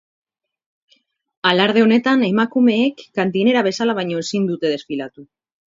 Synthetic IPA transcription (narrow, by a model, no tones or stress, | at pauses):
alaɾð̞e̞o̞ne̞t̪ane̞makume̞ːkːant̪ine̞ɾaβe̞salaβajɲo̞esind̪ut̪e̞ð̞e̞sfilat̪u